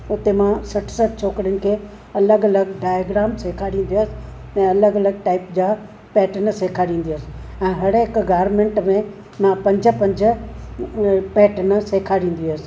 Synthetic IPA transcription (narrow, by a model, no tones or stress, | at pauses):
ʊt̪emãsɐʈʰsɐʈʰt͡ɕʰoːkɾijʊnɪ̆kʰeː | ɐləɡɐləɡɖaːjaɡɾaːmseːkʰaːɽĩːn̆d̪iəsɪ̥ | ɛ̃ːɐləɡɐləɡ̚ʈaːɪpd͡ʑaː | pɛːʈənseːkʰaːɽĩːn̆d̪iəsɪ̥ɛ̃ːɦɐɽɦɪkɡaːɾmẽːɳʈmẽ | mãpɐ̃ɲd͡ʑʱə̆pɐ̃ɲd͡ʑʱə̆ | pɛːʈənseːkʰaːɽĩːn̆d̪iəsɪ̥̆